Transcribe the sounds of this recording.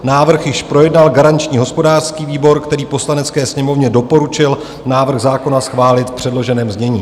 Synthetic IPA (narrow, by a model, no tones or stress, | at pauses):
naːvr̩xjɪʃpɾo̞jɛdnalɡaɾant͡ʃɲiːɦo̞spo̞daːr̥skiːviːbo̞ɾkt̪ɛɾiːpo̞slanɛt͡skɛːsɲɛmo̞vɲɛdo̞po̞ɾut͡ʃɪl | naːvr̩ɣzaːko̞nasxvaːlɪt̪pr̝̥ɛdlo̞ʒɛnɛːmzɲɛɲḭː